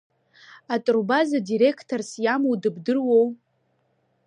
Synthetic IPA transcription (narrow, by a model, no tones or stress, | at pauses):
atʼrbazadiɾe̞kʰtʰorsjamowdɨbdɨrwow